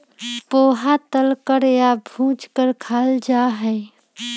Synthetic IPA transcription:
poːɦat̪əlkəɾjabʱũːd͡ʒkəɾkʰaːld͡ʒaɦɛː

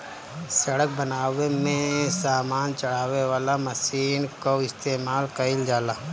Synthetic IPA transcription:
sɐɽək̚bɐnaːʋemẽsaːmaːnt͡ʃɐɽ̤aːʋeʋaːlamɐsiːnkoɪst̪eːmaːlkɐɪld͡ʒaːlaː

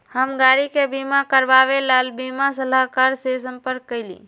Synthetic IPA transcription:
həmɡaɾikebimakəɾbaβelalbimasəlakaɾsesəmpəɾkkːəɪlḭ

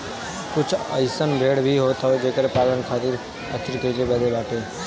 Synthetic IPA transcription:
kʊt͡ʃʰə̰ɪsənbɾeːɖbʱiɦoːt̪ʰaʋed͡ʒeːkəɾpaːlənkʰaːt̪ɪɾ | ət̪ʰɪɾkəikeːbɛd̪eːbaːʈeː

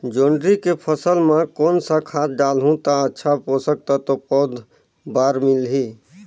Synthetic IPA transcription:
d͡ʒoːɳɖɾikepʰəsəlmẽkoːnsəkʰat̪̚ɖalɦũt̪aətːʃʰaposək̚t̪ət̪opɔd̪ | baːɾmilɦi

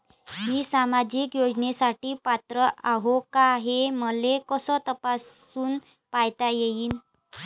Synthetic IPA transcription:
miːsamad͡ʑiːkjod͡znesaʈiːpat̪ɾəaɦokaɦeməlekəsəːt̪əpasuːn | pajt̪ajejiːn

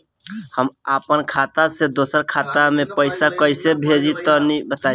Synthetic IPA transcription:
həmapənkʰat̪ased̪osəɾkʰat̪amepəɪsakəɪsebʱed͡ʒit̪ɔnibət̪a

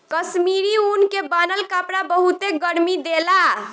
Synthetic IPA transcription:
kəsmiɾiunkebanəlkapɽabəɦut̪eɡəɽmid̪ela

